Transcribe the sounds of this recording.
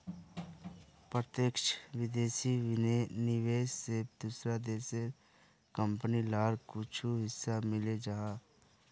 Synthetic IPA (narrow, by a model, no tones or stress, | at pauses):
pɾət̪ekʃʋɪd̪eːsinɪʋeːssed̪uːsɾad̪eːse | kə̃mpnilaːɾkʊt͡ʃʰuɦɪsːamɪled͡ʒaːaː